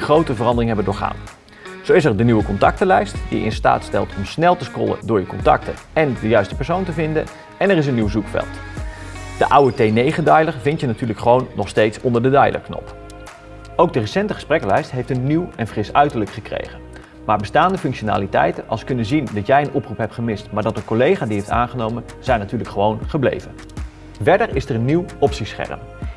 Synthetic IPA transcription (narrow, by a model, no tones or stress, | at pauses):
χrowtəvərɑndərɪŋɦɛbəndʊːɹχa̰ːn | z̥owɪsɛɹdənyʋəkɔntɑ̰k̚təlɛjstd̥ḭjə̰ɪ̰nsta̰ːtstɛ̰lˠtʰɔmsnɛlˠtəskɔ̰lˠə̰dʊːɹjəkɔntɑ̰ktə̰ | ɛndəjœɥstə̥pɛɹsowntəvɪndə̰n | ɛnɛrɪs̬ənːiwzukfɛ̰lˠt | d̥əʔawətejnejχəndœjlərvɪntjənatyːɹləkχəʋownːɔχstejtsɔndəɹdədɑjlʔə̰ɹknɔ̰p | owk̚dərəsɛntəχə̥sprɛkəlɛjstɦejftənːiwɛnfrɪsœɥtəɹləkχəkrḛjχən | maːɹbəstaːndəfɵŋkʃona̰ːlitɛ̰jtənʔɑlˠskɵnənzindɑtjɛjənʔɔprupɦɛptχəmɪstmaːɹdɑtənkɔlejχaːdiɦejfta̰ːnχənowmən | z̥ɛjnatyːɹləkχəʋownχəblḛjvən | vɛɹdəɹɪsəɹənːiwɔpsisχɛ̰rə̰m